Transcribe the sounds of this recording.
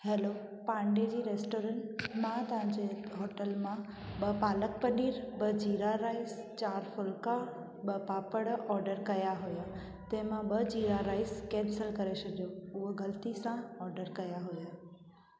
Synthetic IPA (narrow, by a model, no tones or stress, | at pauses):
heːlo | pãːɳɖed͡ʑiːɾeːsʈoːɾə̃ɳʈmãt̪ɐʋ̤ãɲd͡ʑeɦoːʈəlmã | ɓɐpaːləkpɐniːɾbəd͡ʑiːɾaɾaːɪst͡ɕaːɾfʊlka | ɓəpaːpəɽɔːɾɖəɾkɐjaɦuja | t̪ɛ̃ɦɪ̃mãɓəd͡ʑiːɾaɾaːɪskɛ̃ːnsəlkɐɾesɐd̪joʊɦɡɐlt̪isãɔːɾɖəɾkɐjaɦujaː